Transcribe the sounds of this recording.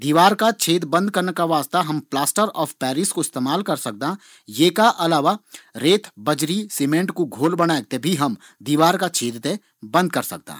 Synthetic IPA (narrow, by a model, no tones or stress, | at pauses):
d̪iːʋaːɾkat͡ʃʰeːd̪bɐ̃nd̪̚kɐɾnekaʋaːst̪aɦɐmplaːsʈəɾɔːfpɛːɾɪskoɪst̪eːmaːlkɐɾsɐk̚d̪a | jeːkaʔɐlaːʋaɾeːt̪ʰbɐd͡ʒɾiseːmẽːɳʈkoɡʱoːlbɐɽ̃aːek̚t̪ebʱiɦɐm | d̪iːʋaːɾkat͡ʃʰeːd̪t̪e | bɐ̃nd̪̚kɐɾsɐk̚d̪a̰ːɦ